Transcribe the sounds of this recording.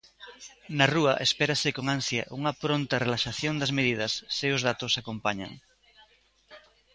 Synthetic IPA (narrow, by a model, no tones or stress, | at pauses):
nɐruɐʔespeɾɐsɪkoŋansjɐʔuŋɐpɾont̪ɐrelaʃaθjond̪ɐzmeðið̞ɐsːeʊzð̞at̪osakompaɲa̰ŋ